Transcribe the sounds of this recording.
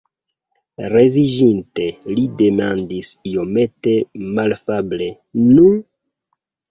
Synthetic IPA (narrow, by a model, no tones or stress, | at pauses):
re̞viʒinte̞lide̞mandisijo̞me̞te̞malfable̞ | nun